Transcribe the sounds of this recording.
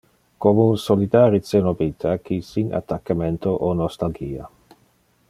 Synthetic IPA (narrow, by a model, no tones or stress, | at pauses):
komounsolid̪aːɾit̪senobit̪ʰakʰisina̰t̪ːakːamɛnt̪ʰoʔonɔst̪alɡiːa̰